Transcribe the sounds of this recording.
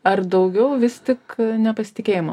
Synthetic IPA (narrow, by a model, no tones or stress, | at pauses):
ɐrd̪ɐʊɡʲɛʊʋʲɪst̪ʲɪknʲɛpɐsʲɪ̥t̪ʲɪkʲeːjɪmɐ